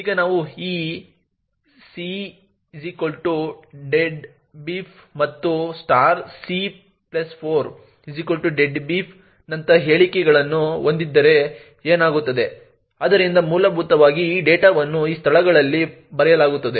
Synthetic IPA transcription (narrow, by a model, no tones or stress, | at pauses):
iːɡɐnaːʋuiː | si | zikɐlʈuɖeɖ | biːpʰmɐt̪ːusʈaːɾsi | plɐspʰoːɾ | izikɐlʈuɖeɖbiːpʰ | nɐnt̪ɐɦe̞ːɭikɛɡɐɭɐnːuond̪id̪ːɐɾe̞ | eːnaːɡut̪ːɐd̪e̞ | aːd̪ɐɾind̪ɐmuːlɐbʱut̪ɐʋaːɡiːɖeːʈaːʋɐnːuiːst̪ʰɐɭɐɡɐɭɐlːi | bɐɾɛjɐlaːɡut̪ːɐd̪e̞